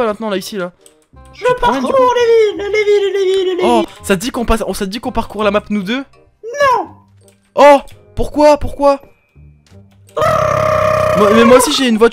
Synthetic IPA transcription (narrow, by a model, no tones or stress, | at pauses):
amɛ̃t̪nɑ̃laisila | ʒpaɛɔ̃levillevillevillɔsad̪ikɔ̃pasɔ̃sad̪ikɔ̃paʁkuʁlamapnud̪ø | nɔ̃ | ɔpuʁkwapuʁkwa | mamɛmwaosiʒeynvwa